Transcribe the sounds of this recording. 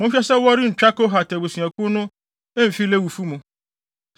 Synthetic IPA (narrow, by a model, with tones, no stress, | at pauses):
mʊ̃˨˦ʃɛ˦sɛ˦wɔ˦ɾɪ˦n̩˨t͡ɕᶣa˦ko˦ɦa˨tɛ˨bo˨sĩ˨ɛ˨kʊ˦nʊ̃˦ | e˦m̩˨fi˦le˦wu˨fu˦mũ˨